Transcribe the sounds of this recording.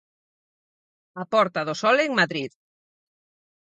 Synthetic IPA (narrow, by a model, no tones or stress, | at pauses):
apɔɾt̪aðosɔleŋmaðɾið